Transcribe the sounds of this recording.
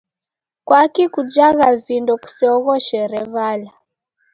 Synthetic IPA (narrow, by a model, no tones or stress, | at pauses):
kwakikud͡ʒaɣavindɔku̥sɛɔɣɔʃɛɾɛβala